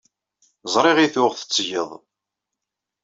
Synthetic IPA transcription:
zˤɾˤɪʁiθʊʁθə̥t͡sːʝəðˤ

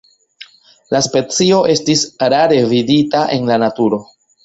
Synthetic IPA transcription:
laspe̞t͡sio̞ʔe̞stisɾaɾe̞viditaʔe̞nlanatuɾo̞

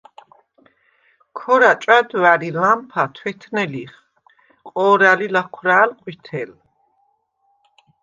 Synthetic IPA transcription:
kʰɔɾat͡ʃʼad̪waɾilampʰat̪ʰwɛt̪ʰnɛliχ | qʼɔːɾalilakʰwɾaːlqʼwit̪ʰɛl

